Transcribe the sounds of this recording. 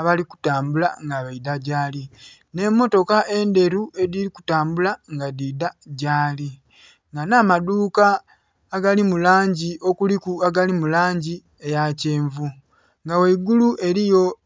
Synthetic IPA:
aβaliku̥taːmbula̰ŋɡaβaidaɟaːli | ne̞mːo̞to̞kaʔe̞nde̞ɾue̞diɾiku̥taːmbulaŋɡadidaɟaːli | ŋɡanamaduːkaː | ɡalimulaːɲɟiʔo̞kulikuaɡalimulaːɲɟi | e̞jace̞ːɱvu | ŋɡaweiɡuluʔe̞ɾijo̞

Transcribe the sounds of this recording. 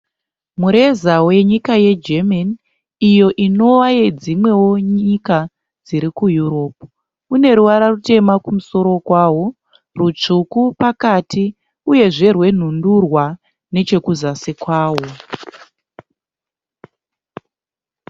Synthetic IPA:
muɾe̞zawe̞ɲikaje̞d͡ʒeman | ijo̞ʔino̞ʋajed͡zimwe̞wo̞ɲika | d͡ziɾikujuɾo̞p | une̞ɾuʋaɾarute̞makumuso̞ɾo̞kwaːwo | rut͡ʂukupakati | uje̞ʐe̞rwe̞n̤undurwa | ne̞t͡ʃe̞kuzasekwaːwo̞

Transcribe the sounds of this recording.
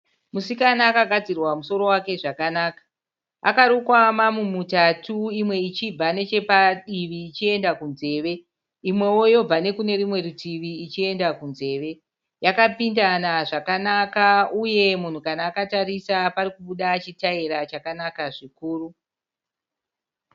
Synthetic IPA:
musikanaːkaɡʱad͡zirwamuso̞ɾo̞wake̞ʐakanaːkḁ | a̰kaɾukwamamumutatuimwe̞it͡ʃib͡vane̞t͡ʃe̞paɗiʋiːt͡ʃie̞ndakunze̞ːʋe̞ | imwe̞wo̞jo̞b͡vane̞kune̞ɾimwe̞ɾitʰiʋiːt͡ʃie̞ndakunze̞ːʋe̞ | jakapindanaʐakanakauje̞mun̤ukanaːkatarisaparikuɓuɗat͡ʃitaiɾat͡ʃakanakaʐikuːru

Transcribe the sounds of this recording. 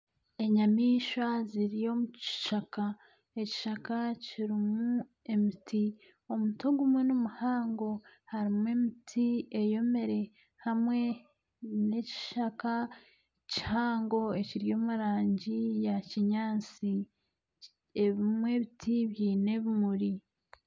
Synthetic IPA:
e̞ɲamiːʃaziɾijo̞muci̥ʃaka | eci̥ʃakaciɾimu | e̞miti | omutoɡumwe̞nomuhaːŋɡo̞haɾimwe̞mitʰie̞jo̞me̞ɾe̞ | hamwe̞ | ne̞ci̥ʃaka | ci̥haːŋɡo̞e̞ciɾjo̞ːmuɾaːɲɟijaciɲaːt͡si | eβimwe̞βitʰiβjiːne̞βimuɾi

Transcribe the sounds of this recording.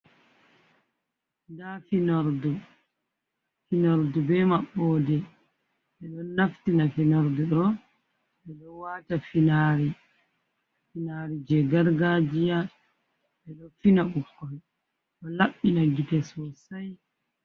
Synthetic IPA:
dafinaɾdu | finaɾdubɛmaɓːɔdɛ | ɓɛɗɔnaftinafinɔɾduɗɔ | ʔɛɗɔwatafinaɾi | finaɾid͡ʒɛɡaɾɡad͡ʒija | ɓɛɗɔfinaɓukːɔj | ɗɔlaɓːinaɡitɛsɔsaj

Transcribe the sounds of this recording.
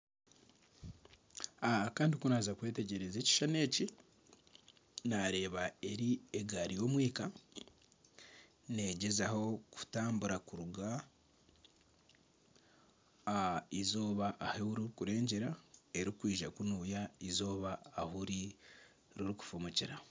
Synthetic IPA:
akaːndikunaːzakwe̞ːte̞ɟe̞ɾe̞ze̞ːci̥ʃane̞ːci | naɾe̞ːβae̞ɾieɡaɾijo̞ːmwiːka | ne̞ɟe̞zaho̞ku̥taːmbuɾakuɾuɡa | izo̞ːβaʔːhehuɾiɾukuɾe̞ːɲɟeɾae̞ɾikwiːʒakunuːjaizo̞ːβaːhuɾi | ɾiɾuku̥fumuciɾa

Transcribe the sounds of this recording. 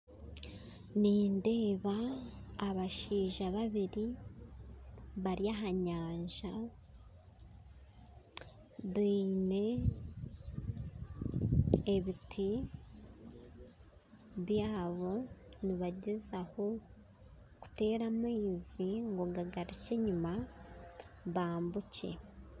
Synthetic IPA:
niːnde̞ːβaː | βaʃiːʒaβaβiɾi | βaɾiaɦaɲaːɲʒa | βiːne̞ | βitʰi | βjaːβo̞niβaɟezaho̞ | ku̥te̞ːɾamwiːziŋɡoɡaɡaɾit͡ʃeɲuma | βaːmbuce̞̰

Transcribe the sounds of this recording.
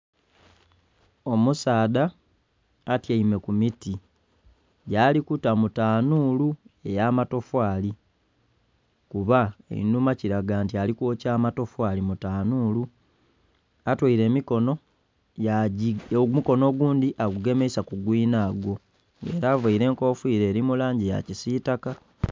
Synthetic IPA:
o̞musaːðaː | tjaime̞kumiti | ɟaːlikutamutaːnuːlue̞jaːmato̞fwaːli | kuβaḛinumaciɾaɡaːntialikwoːcaːmato̞fwaːlimutaːnuːlu | atwiɾe̞ːmiko̞no̞ | a | muko̞no̞ɡuːndiʔaɡuɡe̞meisakuɡwiːnaːɡwo̞ | ŋɡe̞̰ːɾaːvaiɾe̞ːŋko̞ːfwiːɾe̞ːɾimulaːɲɟija̰cisitaka

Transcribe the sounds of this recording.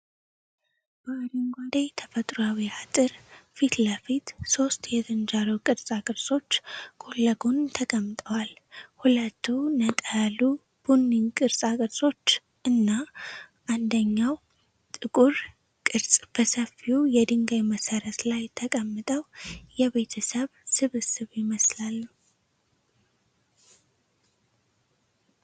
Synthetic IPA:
b̥əaɾiŋɡʷad̪ajt̪ʰəfət̪ʼɾoawihat̪ʼɨɾfit̪ləfit̪so̞st̪jɛt̪ʰɨnd͡ʒaɾuwkʼɨɾsʼakʼɨɾsʼo̞t͡ʃːkʰʼo̞lːəɡunt̪ʰəkʼəmːɨt̪ʼəwalhulət̪ʰːunət̪ʼəlu | b̥unːiŋkʼɨɾsʼakʼɨɾsʼo̞t͡ʃː | ʔɨnːaʔand̪əɲːaw | t̪ʼɨkʼuɾ | kʼɨɾsʼb̥əsəfiujɛd̪ɨŋɡajməsəɾət̪lajt̪ʰəkʼəmːɨt̪ʼəwjɛβe̞t̪ʰəsəβsɨβɨsɨβjɪməslalː

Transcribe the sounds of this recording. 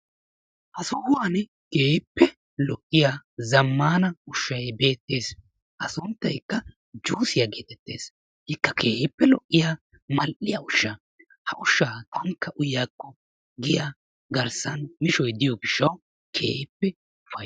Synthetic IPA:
hɐsʊhʊwaːnɛ | keːpːɛ | lɔʔʼːɪjaːzɐmːaːnɐʊʃːɐjbe̞ːt̪ːe̞ːs | ʔɐsʊnt̪ːɐjkːɐ | d͡ʒuːsɪjaɡeːt̪ɛt̪ːe̞̰ːs | hɪkːɐkʰeːpːɛlɔʔːɪja | mɐlʔɪjaʊʃːa | hɐʔʊʃːaːt̪ʰɐŋkːɐʔʊjaːkːɔ | ɡɪja | ɡɐɾsɐnmɪʃɔjd̪ɪjɔɡɪʃːɐw | kʰḛːhpːɛ | ʊfɐ

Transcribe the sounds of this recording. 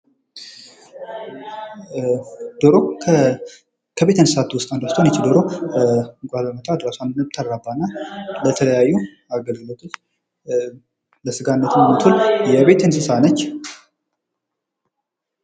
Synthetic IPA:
d̪̥oɾo | kʰəβe̞t̪ənsɨ̥sat̪ʰːuwʊst̪ʼand̪ast̪ʰonət͡ʃːd̪oɾo | ɡʷaləmət̪ʼad̪ɾasʷand̪nəbt̪ʰːaɾɾabːanːalət̪ʰələjajːu | aɡəlɡlət̪ʼu | ləsɨɡanːət̪nəmət̪ʰuljɛβe̞t̪ɨnsɨsanət͡ʃː

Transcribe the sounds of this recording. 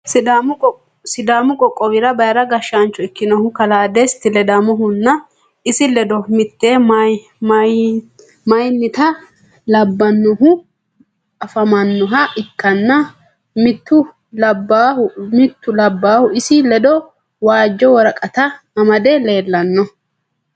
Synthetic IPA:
sɪd̪am | sɪd̪aːmʊkʼɔkʼːɔwɪɾɐbɐjɾɐɡɐʃaːnt͡ʃːɔɪkːɪnɔhʊkɐlaːd̪est̪ɪlɛd̪amɔɦʊnːɐ | ɪsɪlɛd̪ɔmɪt̪ːeːmɐ | m | mɐjnːɪt̪ɐ | lɐbːɐnːɔɦʊ | ɐfɐmɐnːɔɦɐʔɪkːɐnːɐ | mɪt̪ːʊ | lɐbːahʊmɪt̪ːʊlɐbːaːhʊɪsɪlɛd̪ɔ | waːd͡ʒːɔwɔɾɐkʼɐt̪ɐmɐmɐd̪ɛle̞ːlːɐnːɔ

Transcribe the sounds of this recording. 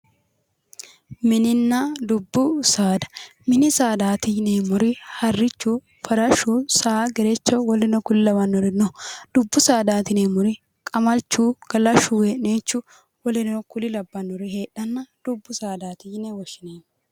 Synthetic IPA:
mɪnɪnːɐd̪ʊbːʊsaːd̪ɐ̥mɪnɪsaːd̪aːt̪ɪjneːmʊɾɪhɐrːɪt͡ʃːuː | fɐɾɐʃuːsaːɡɛɾɛt͡ʃːɔwɔlɪnɔkʊlɪlɐbɐnːɔɾɪnɔd̪̥ʊbːʊsaːd̪aːt̪ɪneːmʊɾɪ | kʼɐmɐlt͡ʃːuːɡ̥ɐlɐʃuːweːneːt͡ʃːʊ | wɔlɪnɔkʊlɪlɐbːɐnːɔɾɪheːᶑɐnːɐd̪̥ʊbːʊsaːd̪aːt̪ɪjnɛwɔʃɪneːm

